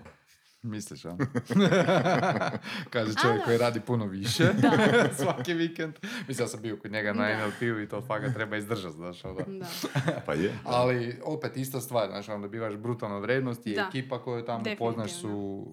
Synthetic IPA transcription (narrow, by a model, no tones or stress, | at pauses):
misliʃa̰n | kaːʒet͡ʃoʋjekːo̞jiɾaːd̪ipunoʋiʃesʋakiʋikend̪mislijasambiokod̪ɲeɡanaenelpiuit̪oːfaɡat̪ɾebaizd̪r̩ʒat̪zaːʃad̪a | pa̰jalio̞pet̪ist̪ast̪ʋaːɾna̰ːt͡ʃiond̪abiːʋaʃbɾut̪alˠnaʋɾʲjeːd̪nost̪iekiːpakojut̪amopo̞znaʃsu